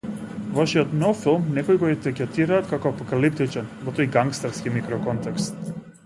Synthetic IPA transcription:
vaʃiɔt̪nofilˠmnɛkɔiɡɔɛt̪ɛkʲɛt̪iɾaːt̪kakɔapɔkalip̚t̪it͡ʃɛnvɔt̪ojɡaŋkst̪aɾskimikɾɔkɔnt̪ɛkst̪

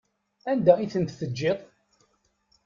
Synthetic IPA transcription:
ænd̪æiθənt̪θəd͡ʒːɪt̪ˤ

